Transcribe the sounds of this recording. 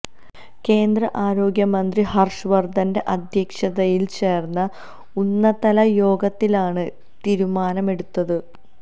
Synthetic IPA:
ke̞ːnd̪rɐʔaːɾo̞ːɡjɐmɐnd̪riɦɐrʂɨʋɐrd̪ʱɐnde̞ʔɐd̪ʱjɐkʂɐðɐjilt͡ɕe̞ːrnːɐ | unːɐt̪ɐlɐjo̞ːɡɐt̪ːilaːɳɨ | t̪iːɾumaːnɐme̞ɽut̪ːɐðɨ

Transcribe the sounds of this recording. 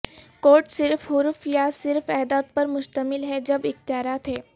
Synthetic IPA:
koːɾʈsɪɾfɦʊɾfjasɪɾfɛɦd̪aːd̪̚pɐɾmʊʃt̪əmɪlɦɛd͡ʒɐbɪxt̪jaːɾat̪ɦɛː

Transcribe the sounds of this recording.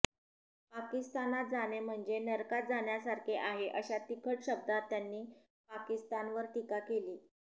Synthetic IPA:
pakist̪anat̪̚d͡zanem̤əɳd͡zenəɾkat̪̚d͡zaɳjasaɾkʰeʔaɦeʔəɕat̪ikʰəʈɕəb̚d̪at̪ːjanːiː | pakist̪anʋəɾt̪ikakeliː

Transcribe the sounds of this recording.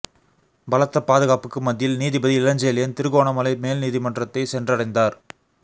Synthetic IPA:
bɐlɐt̪ːɐpːaːðɯɣaːpɯkːɯmɐd̪ːɪjɪlniːðibɐðiɪlɐɲd͡ʒɐjɐlɪjɐnt̪ɪɾɯɣoːɳɐmɐlɐɪmeːlniːðimɐndrɐt̪ːɐɪsɛndrɐɽɐɪnd̪aːɾ

